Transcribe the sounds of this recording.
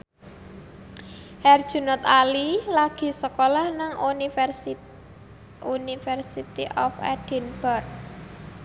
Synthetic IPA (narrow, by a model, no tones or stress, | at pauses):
ʔɛrd̥ʒ̥ṳnɔt̪alilaɡ̥i̤səkolahnaŋ | unifɛrsit̪iʔɔfɛ̰ɖ̥ɛ̤nb̥ɔrk̚